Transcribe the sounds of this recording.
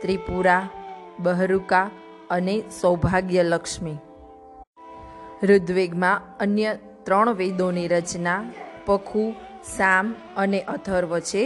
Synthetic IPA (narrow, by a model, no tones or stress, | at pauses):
t̪ɾipuɾabəɦɾuka | ənesəwbʱaɡjələkʃmi | ɾʊd̪ʋeɡmãənjə | t̪ɾəɳ̃ʋed̪oniɾət͡ʃnapəkʰusam | əneʔət̪ʰəɾʋət͡ʃʰe